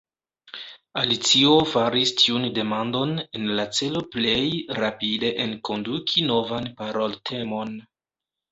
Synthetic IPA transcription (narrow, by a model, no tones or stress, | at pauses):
alit͡sio̞faɾistʰiunde̞mando̞ne̞nlat͡se̞lo̞ple̞jɾapide̞ʔenko̞ndukʰino̞vanpaɾo̞ltʰe̞mon